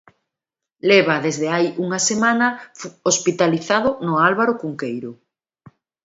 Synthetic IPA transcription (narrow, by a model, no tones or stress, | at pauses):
lɛβ̞aðezðeajuŋasemanɐospit̪aliθaðʊnʊalβaɾʊkuŋkejɾʊ